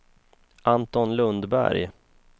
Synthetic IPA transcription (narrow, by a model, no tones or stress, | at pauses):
ʔant̪ɔnlɵnd̪bæ̰ɾj